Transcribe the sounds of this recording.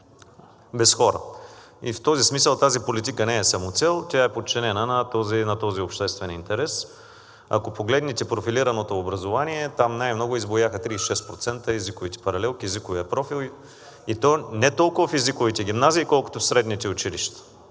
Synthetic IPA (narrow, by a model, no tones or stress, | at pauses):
bɛsxɔɾə̰ | ift̪ɔzismisəlˠt̪azipolit̪ikənɛːsɐmot̪sɛlˠt̪ʲjaɛpot̪̚t͡ʃɛnɛnənɐt̪ɔzinɐt̪ɔziopʃt̪ɛst̪vɛnint̪ɛɾɛs | ɐ̰kopoɡlɛd̪nit̪ɛpɾofiliɾɐnot̪oːbɾɐzovaniɛt̪amnajmnɔɡʊizbojaxət̪ɾiːsʃɛst̪pɾot̪sɛnt̪əɛzikʊvit̪ɛ̥pɐɾɐlɛlˠkiɛzikʊvijəpɾɔfilˠ | it̪ɔnɛt̪ɔlˠkʊvɐfɛzikʊvit̪ɛɡ̟ʲimnaziːkɔlˠkʊ̥t̪ofsɾɛd̪nit̪ɛʊt͡ʃiliʃt̪ə̥